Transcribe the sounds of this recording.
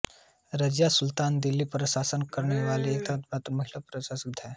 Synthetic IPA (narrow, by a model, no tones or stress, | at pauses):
ɾɐd͡ʒjasʊlt̪aːnd̪ɪlːipɾɐsaːsənkɐɾneʋaːliek̚d̪ad̪bat̪ɾmɐɦilapɾɐsasikd̪ʱɛː